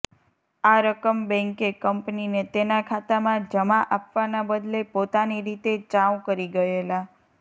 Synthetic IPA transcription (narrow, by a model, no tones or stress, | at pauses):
aɾəkəmbɛ̃ŋkekəmpninet̪enakʰat̪amãd͡ʒəmaʔapʋanabəd̪lepot̪aniɾit̪et͡ʃãwkəɾiɡəela